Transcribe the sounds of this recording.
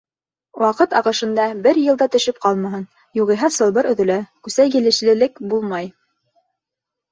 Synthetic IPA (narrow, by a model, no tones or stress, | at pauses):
wʔɑqɤt̪ɑʁɤ̆ʃɤ̆nd̪ɑbɘɾjɤ̆lˠd̪ɑt̪ɵ̆ʃɘp̚qɑlˠmɑɦɤn | juʁɤ̆jɦɑsɤ̆lˠbɤɾɵ̆ðɵ̆lækʉsæjɡɘ̆lɘ̆ʃlɘ̆lɘkbulˠmɑj